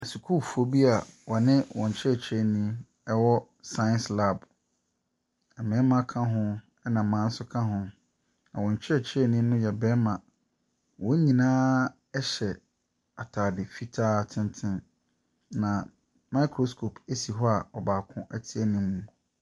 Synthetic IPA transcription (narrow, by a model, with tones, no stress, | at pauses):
ɛ˨su˨kʰu˦fo˦bi˦a˨wɔ˨nɪ̃˦wʔɔ̃˨ɲ˨t͡ɕʰɪ˦ɛ˨t͡ɕʰɛ˦˨nĩ˦ | ɛ˦wɔ˦ | sã˦nsla˦˨b | ɛ˨mɪ̃˨˦mã˦kʰã˦ɦʊ̃˦ | ɛ˦nã˨m̩˨mã˨˦n̩˦sʊ˦kʰã˦ɦʊ̃˨ | nã˨wɔ̃˨ɲ˨t͡ɕʰɪ˦˨t͡ɕʰɪ˦ɛ˦nĩ˦nʊ̃˦jɛ˨bɛ˦mã˨ | wɔ̃˦ɲĩ˨nãː˦ | ɛ˦ɕɛ˨ | a˨tʰaː˨dɪ˨fi˦tʰaː˦tʰɪ̃˦ntʰɪ̃˦n | nã˨ | ma˦i˦kʰɾo˨skʰo˨pʰe˦si˨ɦɔ˦a˨ɔ˨baː˨kʰʊ̃˦ʔæ˦tʰɪ˦ɛ˦nĩ˦mũ˦